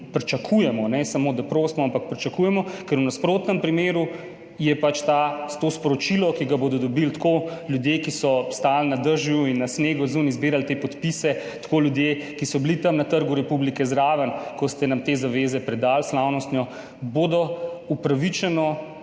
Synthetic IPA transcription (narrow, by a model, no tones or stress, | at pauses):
pɾit͡ʃakʰujɛmɔnɛsamod̪apɾoːst̪mɔampak̚pɾit͡ʃakujɛmɔkɛɾunaspɾoːt̪nəmpɾimeːɾu | jɛpat͡ʃt̪ast̪oːspɔɾɔt͡ʃilɔkiɡaboːd̪ɔd̪ɔbilt̪koljud̪jekisɔst̪aːlnad̪əɾʒjuinːasmeːɡɔzunizbiːɾalt̪eːpɔt̪pisɛt̪koːljud̪jekisɔblit̪ɐmnat̪əɾɡuɾɛpublikɛzɾaːʋənkɔst̪ɛnamt̪eːzaʋeːzɛpɾɛd̪alslawnɔst̪nʲjɔ | boːd̪ɔupɾaʋit͡ʃɛnɔ